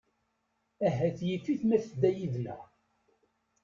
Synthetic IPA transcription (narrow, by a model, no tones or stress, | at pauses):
æɦæθjiθːiθmæθd̪ːæjiðlæ̰